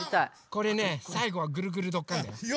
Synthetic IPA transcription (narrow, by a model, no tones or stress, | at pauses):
t̪a | ko̞ɾe̞nesaiɡo̞β̞aɡɯ̟ɾɯ̟ɡɯ̟ɾɯ̟d̪o̞kːãnd̪ajo